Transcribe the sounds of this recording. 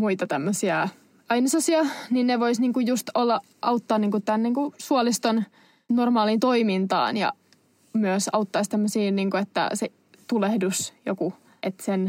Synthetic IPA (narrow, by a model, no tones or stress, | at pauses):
muit̪ɑt̪æmːøsiɑ | ɑinɑsɑsiɑninneʋoisniːŋkujjust̪olːɑ | ʔɑut̪ːɑːniːŋkutt̪ænniːŋkusuolist̪on | normɑːliːnt̪oimint̪ɑ̰ːnjɑ̰ | myøsɑ̰ut̪ːɑist̪æmːøsiːnniːŋkuet̪ːæ̰se | t̪ulehdusjoku | ʔet̪sen